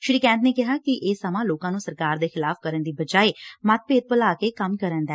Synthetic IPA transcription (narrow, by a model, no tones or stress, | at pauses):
ʃɾiːkɛ̃ːnt̪neːkɪɦaːkɪʔeːsəmãːloːkãːnũːsəɾkaːɾd̪eːxɪlaːfkəɾənd̪iːbəd͡ʒaːeːmət̪̚peːd̪̚pəlaːkeːkəmkəɾənd̪ɛː